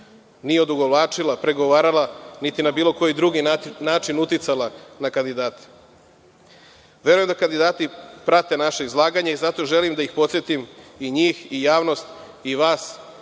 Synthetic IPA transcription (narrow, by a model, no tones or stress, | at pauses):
nijeod̪uɡolaːt͡ʂilˠapɾe̞ɡo̞ʋaːɾalˠanit̪inabiːlˠo̞ko̞jid̪ɾuɡinaːt͡ʂinut̪it̪salˠanakand̪id̪aːt̪e̥ | ʋe̞ɾujemd̪akand̪id̪aːt̪ipɾat̪e̞naʃeizlˠaːɡaɲeizat̪o̞ʒelimd̪aixpo̞t̪sjet̪imiɲiːxijaːʋno̞st̪ | iʋaːs